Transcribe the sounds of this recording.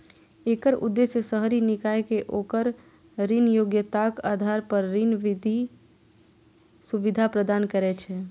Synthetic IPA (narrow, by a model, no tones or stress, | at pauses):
eːkəɾʊ̰d̪ːeːsjəsəɦɾinɪkaːekeʔoːkəɾ | ɾinjoːɡjət̪akaːd̪ʱaːɾpəɾːinʋɪd̪ʱi | suʋɪd̪ʱapɾəd̪aːnkəɾɛt͡ʃʰɛ